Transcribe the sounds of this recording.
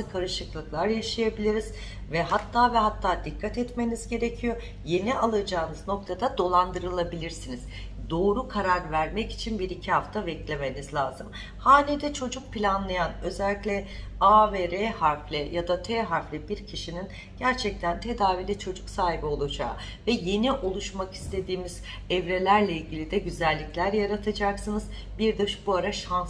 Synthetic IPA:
ɯkʰaɾɯʃɯklˠɯklˠaɾjaʃajabilʲiɾiz | vɛɦat̪ʰːaːvɛɦat̪ʰːaːd̪ikʰːat̪ɛt̪me̞nizɟe̞ɾe̞cʰijo | je̞niʔalˠad͡ʒaːnɯzno̞k̚t̪ʰad̪ad̪o̞lˠand̪ɯɾɯlˠabilʲiɾsiniz̥ | d̪o̞ːɾukʰaɾaɾvæɾmɛci̥t͡ʃʰinbiɾicʰiɦaft̪ʰavɛclʲe̞me̞nizlʲaːzɯm | haːnʲid̪ɛt͡ʃʰo̞d͡ʒuk̚pʰilʲanlˠajanø̞zɛlʲːicʲlʲɛavɛɾehaɾflʲɛjad̪at̪ʰeɦaflʲɛbiɾcʰiʃinin | ɟ̥æɾt͡ʃʰɛc̚t̪ʰænt̪ʰe̞d̪aːvilʲit͡ʃʰo̞d͡ʒuksaːɦibio̞lˠud͡ʒa̰ː | vɛje̞niʔo̞lˠuʃmaki̥st̪ʰe̞d̪iːmiz | ɛvɾe̞lʲæɾlʲɛilʲɟilʲid̪ɛɟyzælʲːiclʲæɾjaɾat̪ʰad͡ʒaksɯnɯz | biɾd̪ɯʃbuaɾaʃans

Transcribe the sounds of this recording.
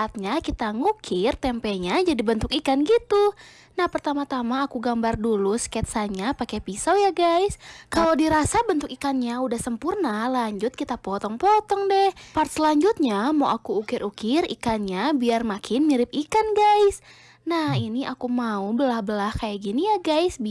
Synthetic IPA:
at̪̚ɲakit̪aŋukʰɪrt̪ɛmpɛɲad͡ʒadibənt̪ʊkikanɡit̪u | nahpərt̪amat̪amaːkuɡambarduluskɛt̪̚saɲapakɛpisojaɡajskaladiɾasabənt̪ʊkikanɲaudahsəmpurnalaɲd͡ʒʊt̪̚kit̪apɔt̪ɔŋpɔt̪ɔŋdɛhpart̪̚səlaɲd͡ʒut̪̚ɲamoʔakuːkɪɾʔukɪrḭkanɲabiarmakʰɪnmiɾɪp̚ikanɡajs | nahiniʔakumaubəlahbəlahkajaɡinijaɡajsb

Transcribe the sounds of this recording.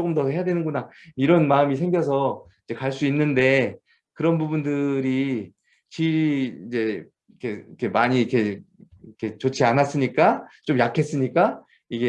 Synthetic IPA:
ok͈ɯmdʌɦe̞jadwe̞nɯnɡuna | iɾʌnmaɯmis̬ʰe̞ŋɡjʌs̬ʰʌ | id͡ʑe̞kaɭs͈uinːɯnde̞ | kɯɾʌnbubundɯɾi | t͡ɕiid͡ʑe̞ | ikʰe̞ikʰe̞maɲiikʰe̞ | ikʰe̞t͡ɕot͡ɕʰianas͈ɯɲik͈at͡ɕ͈omjakʰe̞s͈ɯɲik͈a | iɡe

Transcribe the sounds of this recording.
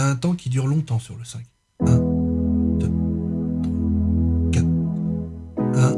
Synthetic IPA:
ɛ̃t̪ɑ̃kʲid̪yʁlɔ̃t̪ɑ̃syʁləsɛ̃k | ɛ̃ | d̪̥ət̪wakʲat̪ | ɛ̃

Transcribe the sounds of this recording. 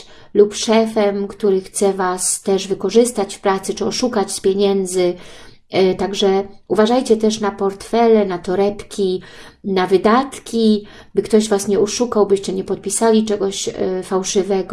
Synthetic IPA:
lupʂɛfɛmkt̪uɾɘxt̪sɛvast̪ɛʐvɘkɔʐɘst̪at͡ɕfpɾat̪sɘt͡ʂɘɔʂukat͡ɕspʲjɛɲɛnd̪zɘ | t̪aɡʐɛuvaʐajt͡ɕɛt̪ɛʂnapɔɾt̪fɛlɛnat̪ɔɾɛpkʲinavɘd̪at̪kʲi | bɘkt̪ɔʑvasɲɛɔʂukawbɘɕt͡ɕɛɲɛpɔt̪̚pʲisalʲit͡ʂɛɡɔɕfawʂɘvɛɡɔ

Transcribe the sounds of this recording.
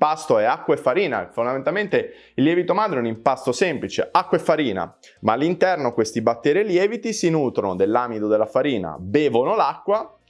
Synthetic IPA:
past̪oɛakːwaefːaɾiːnafond̪amẽnt̪alment̪e | ilːjɛvit̪omaːd̪ɾeɛunimpast̪osɛmplit͡ʃḛakːwaefːaɾiːna̰ | maːlːint̪ɛrnokwest̪ibat̪ːɛːɾeljɛːvit̪isinuːt̪ɾonod̪elːaːmid̪od̪elːafaɾiːna̰bɛːvonolakːwa

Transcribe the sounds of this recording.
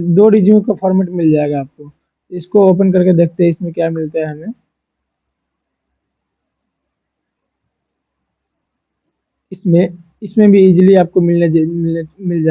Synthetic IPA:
d̪oːɾid͡ʒijõkapʰɔːɾmeʈmɪld͡ʒaːeɡaːp̚ko | ɪskooːp̬ənk̬ɐɾked̪eːk̚ʰt̪eɦɛɪsmẽkjamɪlt̪aɦɛɦɐmẽ | ɪsmẽ | ɪsmẽbʱiɪd͡ʒliaːp̚komɪlnemɪlemɪld͡ʒa

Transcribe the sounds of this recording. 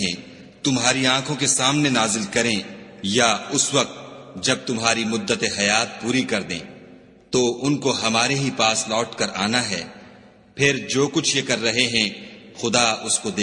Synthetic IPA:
ɛ̃ | t̪ʊmɦaːɾiãːkʰõkesaːmnenaːzɪlkɐɾẽjaʊswɐk̚t̪̚d͡ʒɐb̚t̪ʊmɦaːɾimʊd̪ːət̪eɦɐjaːt̪̚puːɾikɐɾd̪ḛ̃ː | t̪oʔʊnkoɦɐmaːɾeɦipaːslɔːʈkɐɾa̰ːnaɦɛː | pʰɪɾd͡ʒoːkʊt͡ʃʰjekɐɾːɐɦeɦɛ̃xʊd̪aʊskod̪eː

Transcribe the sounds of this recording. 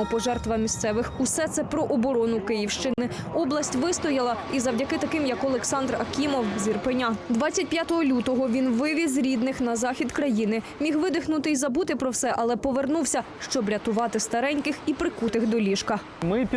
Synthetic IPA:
ɔpɔʒɛrt̪ʋɐmʲist̪sɛʋɪxusɛt̪sɛpɾɔʔɔbɔɾɔnʊkɪjiwʃt͡ʃɪnɪ | ɔblˠɐsʲtʲʋɪst̪ɔjɐlˠɐizɐwdʲɐkɪt̪ɐkɪmjɐkɔlˠeksɑnd̪rɐkʲimɔwzʲirpɪnʲad̪ʋɑt͡sʲːɐtʲpʲjat̪ɔɦɔlʲut̪ɔɦɔʋʲinʋɪʋʲizɾʲid̪nɪxnɐzɑxʲid̪kɾɐjinɪmʲixʋɪd̪ɪxnʊt̪ɪizɐbut̪ɪpɾɔwsɛʔɐlˠɛpɔʋernuwsʲɐ | ʃt͡ʃɔbɾʲɐt̪ʊʋɑt̪ɪst̪ɐɾɛnʲkɪxipɾɪkut̪ɪxd̪ɔlʲiʃkɐ | mɪpʲ

